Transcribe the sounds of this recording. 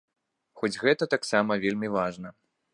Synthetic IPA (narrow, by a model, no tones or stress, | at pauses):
xɔd͡zʲɣɛt̪ɐt̪aksamɐvʲelʲmʲivaʐnɐ